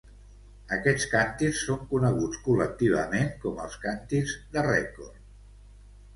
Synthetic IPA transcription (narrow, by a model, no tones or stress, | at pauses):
əkɛt͡skant̪iksːoŋkunəɣ̞ut͡skulək̚t̪iβ̞ə̰meŋkɔmə̰lˠskant̪izðərɛ̰kort̪